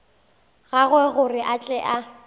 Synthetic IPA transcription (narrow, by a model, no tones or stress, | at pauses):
ɣaɣwɛɣʊrɪʔat͡ɬʼɛʔa